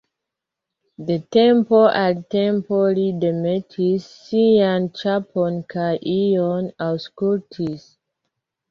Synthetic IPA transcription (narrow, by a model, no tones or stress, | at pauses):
detɛ̃mpoʔadtɛ̃mpolidemetʰisːiãnt͡ʃapʰɔnkʰaʔiɔnawskultʰis